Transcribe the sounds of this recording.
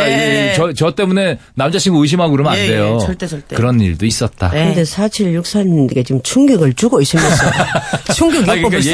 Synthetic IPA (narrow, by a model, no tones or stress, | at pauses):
at͡ɕʌt͡ɕʌt͈e̞mune̞namd͡ʑaɕʰiŋɡoɯɕ̬ʰimɦaɡuɾɯmɯande̞joɭt͈etkɯɾʌnḭɭdois͈ʌt̚t͈a̰kɯnde̞sʰat͡ɕʰiɭːuk̚s͈aɲnɡe̞t͡ɕiɯmt͡ɕʰuŋɡiɡɯɭt͡ɕuɡoiɕ͈ʰims͈ʌt͡ɕʰuŋɡiɡjo